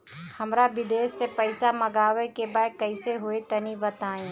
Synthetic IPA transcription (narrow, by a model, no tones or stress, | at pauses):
hɐmɾabɪd̪eːsːepəɪsamɐɡaːʋekebaːjkɐɪseɦoet̪ɐnibɐt̪aːẽː